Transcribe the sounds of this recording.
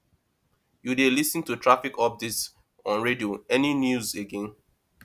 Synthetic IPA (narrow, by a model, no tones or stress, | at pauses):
judelisə̃ntutʰɹafikɔb̚dɪts | ɔ̃nɹedioɛninjuzeɡɛ̃n